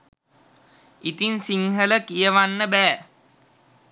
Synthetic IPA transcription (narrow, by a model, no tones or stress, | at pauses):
it̪insiŋɦələkijəʋanːəbæː